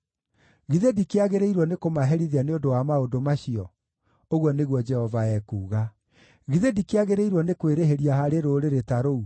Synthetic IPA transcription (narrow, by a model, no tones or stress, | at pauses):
ɣiðedikeaɣeɾeiɾwɔnekomaɦɛɾiðeaneondowamaodomaɕiɔ | oɣwɔneɣwɔd͡ʒɛhɔvaɛkuːɣa | ɣiðedikeaɣeɾeiɾwɔnekweɾeɦeɾiaɦaɾeɾoɾeɾetaɾou